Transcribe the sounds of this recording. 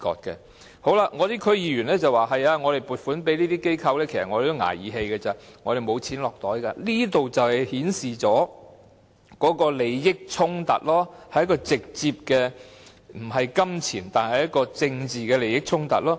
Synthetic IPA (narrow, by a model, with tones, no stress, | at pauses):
kɔ̰ː˧t̚kɛ̰ː˧ | ho˨˥wla˧ŋɔː˨˧t̪iː˥kʰɵ˧ɥjiː˨˧ɥyː˨˩nlɛː˥t͡sɐ˨waː˨˩ɦɐ˨jaː˧ŋɔː˨˧ɾe˨˩jpuː˨˩t̚fuː˨˥npe˨˥jliː˥t̪iː˥ke˥jkʰɐ˧wlɛː˥kʰe˨˩sɐ˨t̚ŋɔ˧de˨˩t̪o˥ŋa̰ː˨˩jiː˨˧˥ɦe˧jkɛː˧t͡sɐ˨˩ŋɔː˨˧ɾe˨jmo˨˧wt͡sʰiː˨˥nlɔː˨k̚t̪ɔː˨˥jka˧liː˥t̪o˨wt͡sɐ˨whɐ˨jhiː˨˥nsiː˨˩t͡sɔː˨˥ | kɔː˨˥kɔː˧le˨˧jːɪ˥k̚t͡sʰʊ˥ŋt̪ɐ̰˨t̚lɔː˥hɐ˨jkɔː˧t͡sɪ˨k̚t͡siː˧p̚kɛː˧ | m̩˨˩ɦɐ˨jkɐ˥mt͡sʰiː˨˩nt̪aː˨nhɐ˨˩jɐ˥t̚kɔː˧t͡sɪ˧ŋt͡siː˨kɛː˧le˨˧jɪ˥k̚t͡sʰʊ˥ŋt̪ɐ̰˨t̚lɔː˥